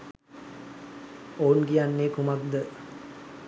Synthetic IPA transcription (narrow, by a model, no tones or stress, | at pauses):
oːnɡijanːeːkumak̚d̪ə